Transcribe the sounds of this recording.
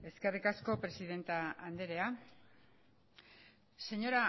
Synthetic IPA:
e̞ske̞rikasko̞pɾe̞siðe̞nt̪aand̪e̞ɾe̞a | se̞ɲo̞ɾa

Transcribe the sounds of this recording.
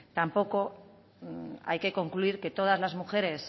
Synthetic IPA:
t̪ampo̞ko̞ | a̰jke̞ko̞ŋkluiɾke̞t̪o̞ð̞azlazmuxe̞ɾe̞s

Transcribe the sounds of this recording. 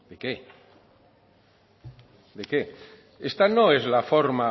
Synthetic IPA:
d̪eke | d̪eke | est̪anoezlafoɾma

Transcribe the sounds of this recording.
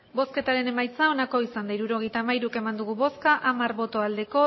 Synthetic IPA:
bo̞ske̞t̪aɾe̞ne̞majt͡sao̞nako̞isand̪aiɾuɾo̞ɣ̞e̞jt̪amajɾuke̞mand̪uɣ̞uβo̞skaʔʔamaɾβo̞t̪o̞ald̪e̞ko̞

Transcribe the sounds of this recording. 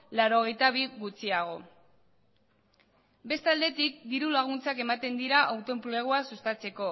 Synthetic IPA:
laɾo̞ɣ̞e̞jt̪aβ̞iɣut͡siaɣ̞o̞̰ | be̞st̪ald̪e̞t̪ik̚d̪iɾulaɣ̞unt͡sake̞mat̪e̞nd̪iɾaʔawt̪o̞mpleɣ̞oasust̪at͡se̞ko̞

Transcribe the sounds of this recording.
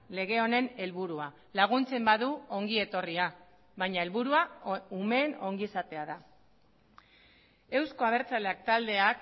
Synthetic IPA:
le̞ɣ̞e̞o̞ne̞ne̞lβuɾua | laɣ̞unt͡se̞mbaðuo̞ŋɡie̞t̪o̞ria | βajɲae̞lβuɾuaume̞ːno̞ŋɡiesat̪e̞aða | e̞wsko̞aβ̞e̞ɾt͡saleak̚t̪ald̪e̞ak

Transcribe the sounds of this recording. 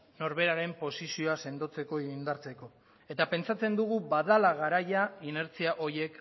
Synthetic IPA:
no̞ɾβe̞ɾaɾe̞mpo̞sisio̞ase̞nd̪o̞t͡se̞ko̞iind̪aɾt͡se̞ko̞ | e̞t̪ape̞nt͡sat͡se̞nd̪uɣ̞ubaðalaɣ̞aɾajaine̞ɾt͡siaʔo̞ɾje̞k

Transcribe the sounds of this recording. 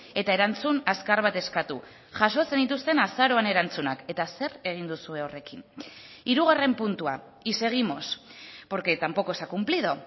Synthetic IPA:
e̞t̪ae̞ɾant͡sunaskaɾβat̪e̞skat̪u | ʝaso̞t͡se̞nd̪it̪ust̪e̞nasaɾo̞ane̞ɾant͡sunake̞t̪ase̞re̞ɣ̞ind̪usue̞o̞re̞kiniɾuɣ̞are̞mpunt̪ua | ise̞ɣ̞imo̞spo̞ɾke̞t̪ampo̞ko̞esakumpliðo̞

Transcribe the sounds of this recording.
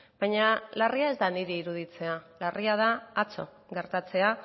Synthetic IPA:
bajɲalariae̞zd̪aniɾiːɾuð̞it͡se̞alarʔiað̞aːt͡so̞̰ | ɡe̞ɾt̪at͡se̞a

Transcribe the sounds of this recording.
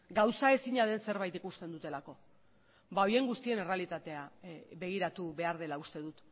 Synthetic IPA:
ɡawsae̞siɲaðe̞nse̞ɾβ̞ajt̪ikust̪e̞nd̪ut̪e̞lako̞ | bao̞je̞ŋɡust̪ie̞ne̞re̞alit̪at̪e̞aβe̞ɣ̞iɾat̪uβe̞aɾð̞e̞laust̪e̞ðut̪

